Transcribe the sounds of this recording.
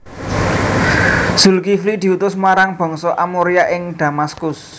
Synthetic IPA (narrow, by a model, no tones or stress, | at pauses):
z̥ṳlkiflid̪̥i̤ut̪ʊsmaɾaŋb̥ɔ̤ŋsɔʔamoɾiaʔɪŋd̪̥ä̤maskʊs